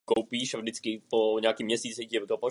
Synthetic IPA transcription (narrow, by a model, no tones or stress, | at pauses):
kowpiːʃavʒdɪt͡skɪpoɲɛakiːmɲɛsiːt͡sɪcɛvɪkopo